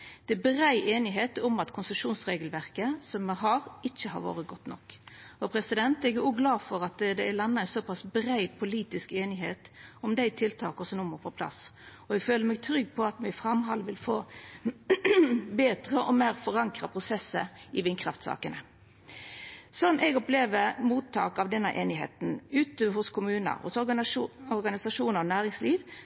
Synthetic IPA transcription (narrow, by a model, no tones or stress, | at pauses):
d̪̥ɛæbʁæɪʔeːnɪɦeːt̪ʊmɑt̪kʰʊnsəʂuːnsʁeːɡəlʋæʁkəsɔmːɛɦɑːʁɪt͡ʃːəhɑ̰ʁʋo̰ːʁəɡɔt̪nɔkːɔpʰɾɛsɪd̪ɛnt̪ɛɡæɾuːɡlɑːfɔɾɑt̪d̪ɛælɑnːɑɛɪsɔpʰɑsbɾæɪpʰʊliːt̪ɪskeːnɪɦeːt̪ɔmd̪æɪt̪ʰɪlt̪ʰɑːkɔsɔnʊmːəpʰɔpʰlɑ̰sɔɛɡføːləɾmɛːɡ̚t̪ʰɾʏɡːpʰɔɑt̪mɛɪfɾɑmɦɑlːʋɪlfoː | beːd̪ʁəʔɔmeːɾfɔʁɑŋkɾɑpʰʁʊsɛsːə̰ɪʋɪnkʰɾɑft̪sɑ̰ːkənə | sɔnːʔɛɡɔpleːʋəɾmuːt̪ʰːɑ̰ːkɑʋd̪ɛnːəʔeːnɪɦḛːt̪n̩ʉːt̪əɦʊskʰʊmʉːnə̰ɾhʊ̰sɔɔɾɡɑnɪsɑʂuːnəɔnæːʁɪŋsliːʋ